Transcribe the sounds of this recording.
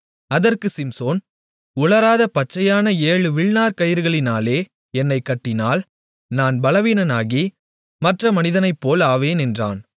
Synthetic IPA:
ɐðɐrkɯsɪmsoːn | ʊɭɐɾaːðɐpɐt͡ʃːɐjaːnɐeːɻɯʋɪɭnaːɾkɐjɪɾɯɣɐɭɪnaːleː | ɛnːɐɪkːɐʈːɪnaːl | naːnbɐlɐʋiːnɐnaːɣi | mɐʈrɐmɐnɪðɐnɐɪpːoːlaːʋeːnɛndra̰ːn

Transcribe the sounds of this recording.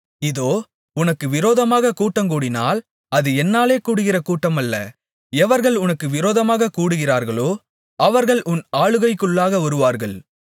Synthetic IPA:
ɪðoː | ʊnɐkːɯʋɪɾoːðɐmaːɣɐkuːʈːɐmkuːɽɪna̰ːl | ɐðɯɛnːaːleːkuːɽɯɣɪrɐkuːʈːɐmɐlːɐ̰ | ɛʋɐɾɣɐɭʊnɐkːɯʋɪɾoːðɐmaːɣɐkuːɽɯɣɪraːɾɣɐɭoː | ʔɐʋɐɾɣɐɭʔʊnaːɭɯɣɐɪkːɯɭːaːɣɐʋɐɾɯʋaːɾɣɐɭ

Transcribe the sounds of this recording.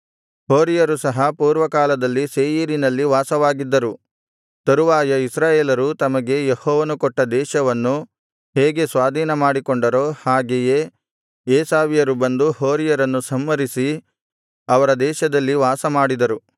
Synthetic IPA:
hoːɾijɐɾusɐɦɐpuːɾʋɐkaːlɐd̪ɐlːiseːjiːɾinɐlːiʋaːsɐʋaːɡid̪ːɐɾu | t̪ɐɾuʋaːjɐisɾaːjeːlɐɾut̪ɐmɐɡe̞jehɔːʋɐnukɔʈːɐd̪ɛːʃɐʋɐnːu | ɦeːɡe̞sʋaːd̪ʱiːnɐmaːɽikoɳɖɐɾoːhaːɡeje | eːsaːʋijɐɾubɐnd̪uhoːɾijɐɾɐnːusɐmːɐɾisi | ɐʋɐɾɐd̪ɛːʃɐd̪ɐlːiʋaːsɐmaːɽid̪ɐɾu

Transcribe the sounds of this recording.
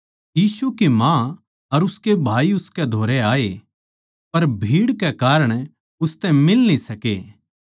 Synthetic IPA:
jiːsukimã | ɐɾʊskebʱaːiʊskɛd̪ʱoːɾɛaːe | pɐɾbʱiːɽkɛkaːɾəɽ̃ | ʊst̪ɛ̃mɪlnisɐke

